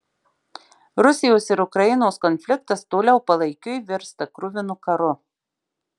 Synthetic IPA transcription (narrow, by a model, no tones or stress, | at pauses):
ɾʊsʲɪjoːsɪɾʊkɾɐjɪnoːskɔnʲfʲlʲɪkt̪ɐst̪oːlʲɛʊpɐlˠɐɪkʲʊjʋʲɪɾst̪ɐkɾʊʋʲɪnʊkɐɾʊ